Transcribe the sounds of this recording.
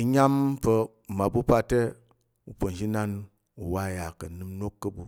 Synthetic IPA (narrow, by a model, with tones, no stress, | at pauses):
i˦ɲa˦mpə˦˨ | ma˨bu˦pa˦te˦ | u˨po˨n˨d͡ʒi˦na˦n | u˨wa˦˨ja˨kə˨nɨ˦mno˦kːə˦bu˨